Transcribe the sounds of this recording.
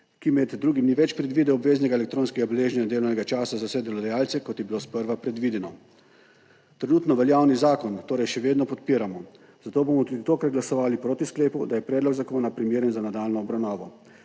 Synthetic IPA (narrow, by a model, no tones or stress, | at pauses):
kimɛd̪ːɾuːɡimniʋɛt͡ʃpɾɛd̪ʋiːd̪ɛɔbʋeːznɛɡaelɛk̚t̪ɾoːnskɛɡabɛleːʒnɛnad̪eːlɔwnɛɡat͡ʃaːsazawsɛd̪ɛlɔd̪ajaːlt̪sɛkɔt̪jɛbiloːspəɾʋapɾɛd̪ʋiːd̪ɛnɔ | t̪ɾɛnuːt̪nɔʋɛljaːwnizaːkɔnt̪oːɾɛjʃɛʋeːd̪nɔpɔt̪piːɾamɔ | z̥at̪oːbomɔt̪uːd̪it̪oːkaɡlasɔʋaːlipɾoːt̪iskleːpud̪ajɛpɾɛːd̪lɔɡzakoːnapɾimjeːɾjɛnzanad̪aːlnɔːbɾawnaːʋɔ